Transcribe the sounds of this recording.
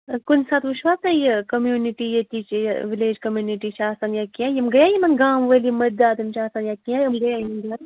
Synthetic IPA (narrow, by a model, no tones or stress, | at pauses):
kunsaːt̪ʋuʃʋaːt̪ɐjekɐmjuːniʈijet̪ʲit͡ʃʋileːd͡ʒkɐmjuːniʈit͡ʃʰaːsɐnjakiãjmɡɐjaːjimɐnɡaːmʋɐlimɐɾd̪aːt̪ɐmt͡ʃaːsɐnjakiãjɐmɡɐjajimɐnd̪a